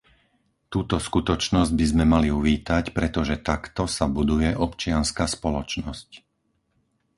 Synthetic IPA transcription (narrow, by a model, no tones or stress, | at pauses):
t̪uːt̪ɔskut̪ɔt͡ʃnɔzɟ̚bizmɛmaliuʋiːt̪acpɾɛt̪ɔʒɛt̪akt̪ɔsabud̪ujɛʔɔpt͡ʃɪanskaːspɔlɔt͡ʃnɔsc